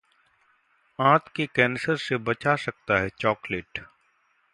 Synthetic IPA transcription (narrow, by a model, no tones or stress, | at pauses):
ãːt̪ʰkekɛ̃ːnsəɾsebət͡ʃasək̚t̪aɦɛt͡ʃɔːkleːʈ